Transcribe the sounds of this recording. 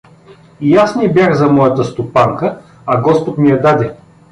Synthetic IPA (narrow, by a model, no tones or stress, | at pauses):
ijasnʲibʲjaxzɐmɔjɐt̪əst̪opaŋkə | ɐɡɔspot̪mijɐd̪ad̪ɛ